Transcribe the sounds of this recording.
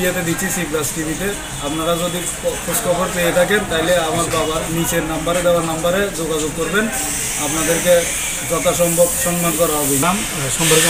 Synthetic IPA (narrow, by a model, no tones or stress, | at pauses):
ijat̪ed̪it͡ɕʰisiplasʈibʱit̪̬e | apnaɾad͡ʒod̪i | kʰoskʰɔpɔɾt̪ejet̪ʰakent̪aɦileamaɾbabanit͡ɕʰeɾnambaɾed̪ɛwaɾnambaɾed͡ʒoɡad͡ʑoɡ̚koɾben | apnad̪eɾke | d͡ʒɔt̪aʃɔmbʱɔbʃɔŋmankɔɾaɦɔbolam | ʃɔmbʱɔɾk